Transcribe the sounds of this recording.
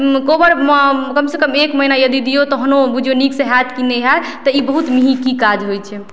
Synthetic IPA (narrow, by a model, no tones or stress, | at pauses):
kobəɾməkəmsekəmekməɦinajəd̪id̪ijot̪ɔɦənobud͡ʒʱjoniksẽɦɛt̪kineɦat̪ɔibəɦut̪miɦikikad͡ʒɦojt͡ʃʰɛ